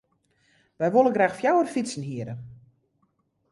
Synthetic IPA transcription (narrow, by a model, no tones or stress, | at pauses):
ʋɛjʋolˠəɡraːxfjawərfisən̩ɦiəɾə